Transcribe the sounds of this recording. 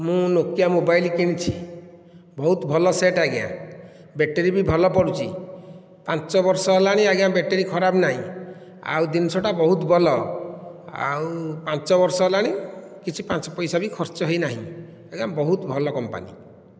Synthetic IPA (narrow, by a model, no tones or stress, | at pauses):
mũnokjamobajlkiɽ̃it͡ʃʰi | bɔɦut̪bʱɔlɔseʈaɡea̰ | beʈeɾibibʱɔlɔpɔɾut͡ʃʰḭ | pãnt͡ʃɔbɔɾsɔɦelaɽ̃ĩaɡabeʈeɾikʰɔɾabnaɦḭ̃ | a̰wd̪insɔʈabɔɦut̪bʱɔlɔ | a̰wpãnt͡ʃɔbɔɾsɔɦelaɽ̃i | kit͡ʃʰipãnt͡ʃɔ̥pɔjsabikʰɔɾt͡ʃɔɦejnaɦḭ̃ | eɡambɔɦut̪bʱɔlɔkɔmpa̰nḭ